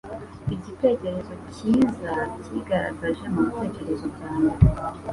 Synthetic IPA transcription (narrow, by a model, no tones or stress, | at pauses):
iɟite̞ce̞ɾe̞zo̞ciːzaciɡaɾa̰ɡaʒemute̞ːce̞ɾe̞zoɟaːna